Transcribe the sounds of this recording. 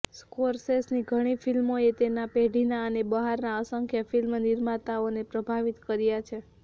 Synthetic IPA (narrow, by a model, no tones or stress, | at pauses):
skoɾsesniɡʱəɽ̃ifʰilmoet̪enapeɖʱinaənebəɦaɾnaəsəŋkʰjafilmniɾmat̪aonepɾəbʱaʋit̪kəɾjat͡ʃʰe